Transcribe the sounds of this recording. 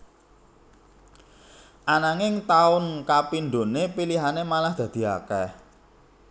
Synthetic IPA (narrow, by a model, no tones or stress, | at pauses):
ʔanaŋɪŋt̪aʊnkapinɖ̪onepiliɦanemalahd̪̥ä̤d̪̥i̤a̰kɛ